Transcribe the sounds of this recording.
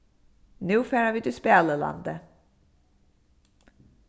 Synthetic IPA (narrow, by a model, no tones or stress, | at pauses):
nʉ̟ːfɛːɾavɪd̪ʉspeːləla̰nd̪ə